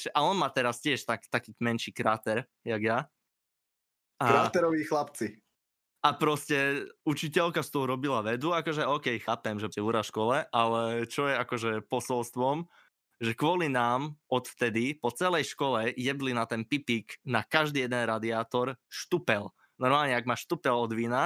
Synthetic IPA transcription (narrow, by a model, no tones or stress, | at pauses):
ʒɛʔaɔnmaːt̪ɛɾascɪɛʃt̪akt̪akiːmɛnʃiːkɾat̪ɛɾ | jaɡja | ʔaɾat̪ɛɾɔʋiːxlapt͡si | apɾɔscɛut͡ʃicɛlkast̪ɔɦɔɾɔbilaʋɛd̪uakɔʒɛɔːkɛjxaːpɛmʒɛsɛuɾaʃkɔlɛʔalɛt͡ʃɔjɛakɔʒɛpɔsɔlst̪ʋɔm | ʒɛkʋɔlinaːmɔt̪ft̪ɛd̪ipɔt͡sɛlɛjʃkɔlɛjɛd̪linat̪ɛnpipiknakaʒd̪iːjɛd̪ɛnɾad̪iaːt̪ɔɾʃt̪upɛl | nɔɾmaːlɲɛaɡmaʃt̪upɛlɔd̪ʋiːna